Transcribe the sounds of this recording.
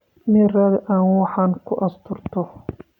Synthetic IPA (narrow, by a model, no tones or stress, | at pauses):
mɪrɐðʔaːnwɑħɑːŋkʰʊʔɐst̪ʰʊrt̪ʰɔ